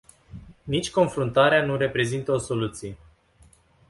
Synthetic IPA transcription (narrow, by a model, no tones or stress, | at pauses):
nit͡ʃʲko̞nfɾunt̪aɾeanure̞pɾe̞zint̪əo̞so̞lut̪sije̞